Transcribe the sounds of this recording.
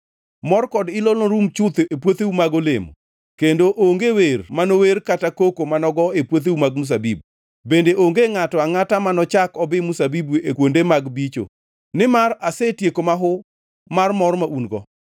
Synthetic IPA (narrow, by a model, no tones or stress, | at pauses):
mɔrkɔdɪlɔlɔɾumt͡ʃʊt̪epwot̪eumaɡolemo̰ | kendoʔoŋɡewermanoweɾkatakokomanɔɡɔepwot̪̬eumaɡ̚mus̬abib̚ | bendeʔoŋɡeŋatɔaŋatamanɔt͡ʃakɔbɪmusabibuekwondemaɡbit͡ʃo̰ | nɪmaɾasetjekomaɦʊ | marmɔrmaʔunɡɔ̰